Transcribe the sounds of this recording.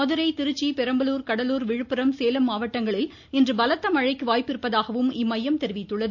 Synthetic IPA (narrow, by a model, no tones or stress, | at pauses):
ɔðɐɾɐɪt̪ɪɾɯt͡ʃːipɛɾɐmbɐluːɾkɐɽɐluːɾʋɪɻɯpːɪɾɐmseːlɐmːaːʋɐʈːɐŋɡɐɭɪl | ɪndrɯbɐlɐt̪ːɐmɐɻɐɪkːɯʋaːjpːɪɾɯpːɐðaːɣɐʋɯmɪmːɐjːɐmt̪ɛɾɪʋɪt̪ːɯɭːɐðɯ